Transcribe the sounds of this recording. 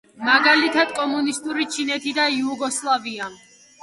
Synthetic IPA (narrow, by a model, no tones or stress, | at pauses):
maɡalit̪ʰad̪̥̚kʼɔmunist̪ʼuɾit͡ʃʰinɛt̪ʰid̪aiuɡɔslˠavia